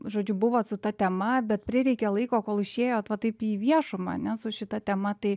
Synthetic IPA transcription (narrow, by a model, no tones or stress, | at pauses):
ʒoːd͡ʒʲʊbʊʋoːt̪sʊt̪ɐt̪ʲɛmɐbʲɛt̪̚pʲɾʲɪɾʲɛɪkʲɛlˠɐɪkoːkoːlˠɪʃʲeːjoːt̪ʋɐt̪ɐɪpiːʋʲiɛʃʊmɐ̰ɐ̰nʲɛsʊʃʲɪt̪ɐt̪ʲɛmɐt̪ɐɪ